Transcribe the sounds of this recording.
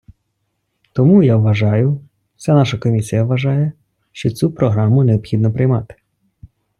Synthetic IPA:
t̪ɔmujawʋɐʒɑjʊ | sʲanɑʃɐkɔmʲisʲijɐʋʋɐʒɑjɛ | ʃt͡ʃɔt͡sʲupɾɔɦɾɑmʊneɔpxʲid̪nɔpɾɪjmɑ̰t̪ɪ̥

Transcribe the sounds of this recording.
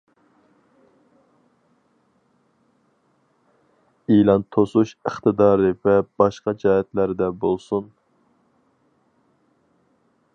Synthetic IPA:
ilˠɑnt̪ʰosuʃəχt̪ɨd̪ɑːɾɨvɛb̥ɑʃqɑd͡ʒɑːɦɛt̪læɾd̪ɛbolˠsun

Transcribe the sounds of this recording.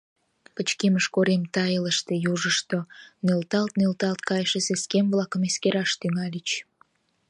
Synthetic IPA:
pət͡ɕkeməʃkoɾemt̪ɑjələʃt̪ejuʒəʃt̪onølt̪ɑlt̪nølt̪ɑlt̪̚kɑjəʃeseskemβlɑkəmeskeɾɑʃt̪yŋɑlit͡ɕ

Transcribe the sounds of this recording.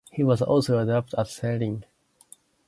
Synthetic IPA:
hiwʌzɔ̰lsoʊadɑp̚tʰætseɾĩŋ

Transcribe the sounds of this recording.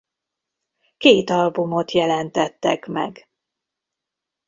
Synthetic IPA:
keːt̪ɒlbumot̪jɛlɛnt̪ɛt̪ːɛkmɛ̰ɡ

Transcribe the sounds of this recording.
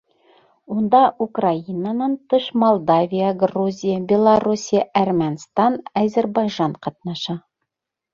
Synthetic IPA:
und̪ɑʔukrainənɑnt̪ɤʃmolˠd̪avʲijəɡruzʲijəbʲelˠɐrusʲijəʔærmʲænst̪ɑnæzʲærbɑjʒɑɴqɑt̪̚nɑʃɑ

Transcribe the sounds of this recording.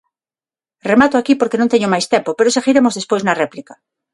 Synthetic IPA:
remat̪oakipoɾkenõnt̪eɲomajst̪empopeɾoseɣiɾemozðespojznɐrɛplika

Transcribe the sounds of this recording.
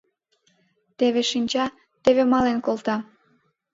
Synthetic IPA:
t̪eβeʃinʲt͡ɕɑ | t̪eβemɑlenkolt̪ɑ

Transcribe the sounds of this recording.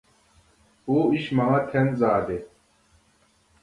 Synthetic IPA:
oːiɕmaːt̪ʰenzaːd̪e

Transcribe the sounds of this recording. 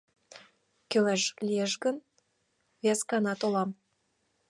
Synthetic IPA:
kølæʃlʲijeʃɡə̆n | vʲæskɑnɑt̪olɑm

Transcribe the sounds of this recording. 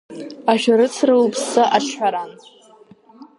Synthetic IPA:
aʃᶣaɾɨt͡sʰrɨlpʰsɨʔaʈ͡ʂʷʰħʷaɾan

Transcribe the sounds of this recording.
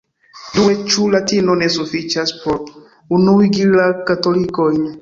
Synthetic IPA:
duet͡ʃulatinonesufit͡ʃaspoɾ | unuijɡilakatolikojn

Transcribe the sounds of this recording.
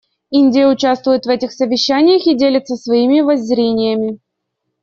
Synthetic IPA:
inʲdʲɪjəʊt͡ɕast̪vʊjɪt̪vɛtʲɪxsəvʲɪɕːænʲɪjəxidʲelʲɪt̪səsvɐimʲɪvɐzʲːɾʲenʲɪjəmʲɪ

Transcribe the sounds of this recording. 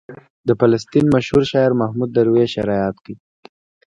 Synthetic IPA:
d̪əfalast̪inmaʃhuɾʃɑjaɾmahmud̪ːaɾweʃɪɾɑjɑt̪ki

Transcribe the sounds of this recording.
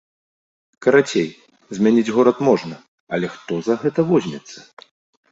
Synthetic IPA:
kɐɾat͡sʲej | zʲmʲanʲid͡zʲɣɔɾɐt̪mɔʐnɐ | ɐlʲɛxt̪ɔzɐɣɛt̪ɐvɔzʲnʲɛt̪sːɐ̥

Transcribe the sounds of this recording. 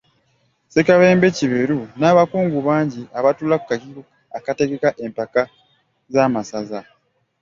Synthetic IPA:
sekaβe̞ːmbe̞ciβeɾunaːβakuːŋɡuβaːɲɟiaβatuːlaku̥kakiβukaːkate̞ɡe̞kaʔe̞mpaka | zaːmasaza

